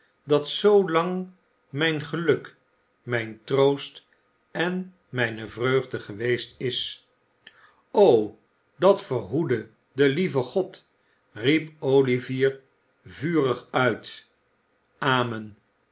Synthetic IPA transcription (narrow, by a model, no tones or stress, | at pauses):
dɑtsowlɑŋ | mɛjnχəlɵk | mɛjntrowst | ɛn | mɛjnəvrøɥχdəχəʋejstɪs | ow | dɑtfərɦudə | dəlivəχɔt | ripowliviːr | vyːrəχœɥt | ʔaːmən